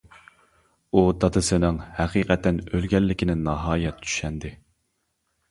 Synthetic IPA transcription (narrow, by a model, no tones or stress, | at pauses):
ud̪ɑt̪ʰɨsɨnɪŋhæqiːqʰɛt̪ːɛnølɡʲɛlːɪkʲʰɪnɪnːɑɦɑːjɛt̪t͡ʃʰy̥ʃɛnd̪ɪ